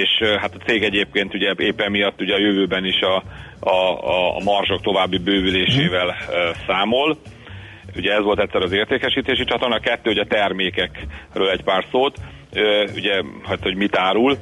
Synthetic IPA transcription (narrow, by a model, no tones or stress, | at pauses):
eːʃɦat̪ɒt̪seːɡɛɟeːp̚keːnt̪uɟɛeːpːɛmːijɒt̪ːuɟɛɒjøvøːbɛniʃɒ | mɒrʒo̞k̚t̪o̞vaːbːibøːvyleːʃeːvɛlsaːmo̞l | uɟɛɛzʋo̞lt̪ɛc̪ʲsɛɾɒzeːrt̪eːkɛʃiːt̪eːʃit͡ʃɒt̪ornɒkɛt̪ːøːoɟɛt̪ɛrmeːkɛkrøːlɛcpaːrsoːt̪ | øṵɟɛhɒt̪ːho̞ɟmit̪aːɾul